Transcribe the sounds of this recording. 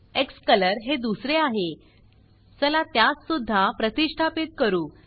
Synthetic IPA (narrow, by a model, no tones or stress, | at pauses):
ekskələɾɦed̪usɾeaɦe | səlat̪jat͡ssud̪ʱːapɾət̪iʂʈʰapit̪̚kəɾuː